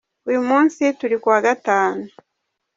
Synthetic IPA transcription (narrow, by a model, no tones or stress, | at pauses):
uumuːnsituɾikuwaɡataːnu